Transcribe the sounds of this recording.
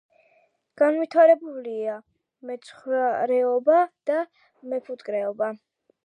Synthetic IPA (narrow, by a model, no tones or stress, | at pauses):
ɡ̥anvit̪ʰaɾɛbulia | mɛt̪sʰχaɾɛɔbad̪̥a | mɛpʰut̪ʼkʼɾɛɔba